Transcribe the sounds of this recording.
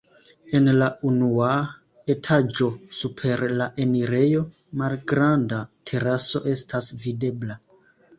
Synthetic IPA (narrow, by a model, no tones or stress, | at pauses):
e̞nlaunua | e̞tʰad͡ʒo̞supʰe̞ɾlaʔe̞niɾe̞jo̞ | malɡɾandatʰe̞ɾaso̞̰ʔe̞stʰasvide̞bla